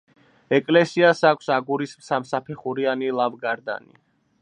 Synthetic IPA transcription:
ɛkʼlɛsiasakʷʰsaɡuɾismsamsapʰɛχuɾianilˠavɡaɾd̪a̰nḭ

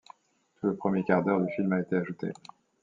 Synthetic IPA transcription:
t̪ʰuləpχəmjekaʁd̪œʁd̪yfilmaet̪eaʒut̪ḛ

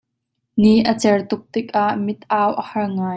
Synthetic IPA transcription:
niʔət͡sɛrt̪ʊk̚t̪ɪk̚ʔaʔmɪt̪̚ʔaːwʔəhɐrŋaːj

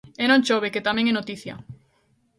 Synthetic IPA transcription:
enõnt͡ʃoβeket̪amẽŋɛnot̪iθja̰

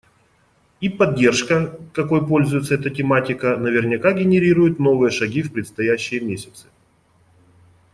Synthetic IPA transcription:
ipɐdʲːe̞rʂkəkɐko̞jpo̞lʲzʊjɪt̪səɛt̪ətʲɪmatʲɪkənəvʲɪrnʲɪkaɡʲɪnʲɪɾʲiɾʊjɪt̪no̞vɨjəʂɐɡʲifpɾʲɪt̪st̪ɐjæɕːɪjəmʲesʲɪ̥t̪sɨ̥

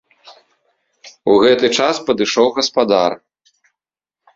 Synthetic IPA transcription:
uɣɛt̪ɨt͡ʂaspɐd̪ɨʂɔwɣɐspad̪ar

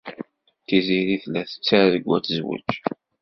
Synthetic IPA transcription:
θiziɾiθlæθə̥t͡sːaɾðəɡʷːæt͡sːəzwə̰t͡ʃ

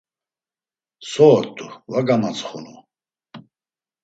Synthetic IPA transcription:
sɔːt̪ʼːuvaɡamat͡sʰʼχṵnṵ

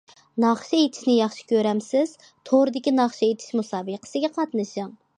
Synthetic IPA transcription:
nɑχʃiet̪ʰɪ̥ʃnɪjɑχʃɪ̥kʲʰøɾɛmsɪz̥ | t̪ʰoɾd̪ɪkʲinɑχʃiet̪ʰɪ̥ʃmusɑːbəqʰə̥sɨɡʲɛqʰɑt̪nɨʃɨŋ

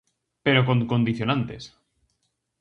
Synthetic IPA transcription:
peɾokokond̪iθjonant̪es

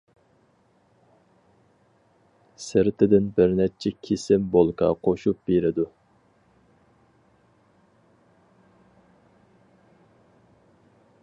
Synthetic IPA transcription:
sɪɾɪt̪ʰɪd̪ɪnbɪɾnɛt͡ʃʰɛkʲʰisɪmbolˠkʰɑ̰qʰoʃup̚beɾɪd̪u

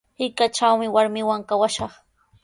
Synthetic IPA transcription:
hɪkat͡ʃawmɪwaɾmɪwaŋkawaʃɑχ

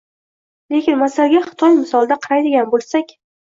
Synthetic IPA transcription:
le̞kʲɪnmasalɡʲaχɨ̥t̪ʰɒjmɪsɒlˠd̪aqʰɨɾajd̪ɪɡʲanbolˠsakʲ

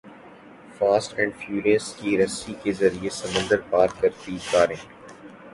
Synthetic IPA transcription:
faːsʈɛ̃ːɳɖfjuːɾiəskiɾɐsikezɐɾiesɐmə̃nd̪əɾpaːɾkɐɾt̪ikaːɾɪ̃ː

